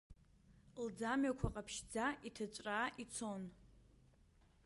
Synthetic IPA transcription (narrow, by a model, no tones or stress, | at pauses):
ld͡zamɥakʷʰaqʼapʰʃd͡zaʔitʰat͡ʃʷʼraːʔit͡sʰo̞n